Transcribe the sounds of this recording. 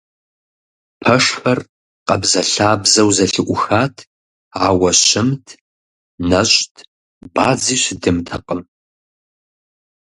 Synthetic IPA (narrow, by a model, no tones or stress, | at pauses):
pʰɐʂfɐr | qɐbzɐɬaːbzɐwzɐɬɨʔʷʊxaːtʰ | aːwɐɕɪmtʰ | nɐɕtʰ | baːd͡ziːɕdɨmtʰɐqəm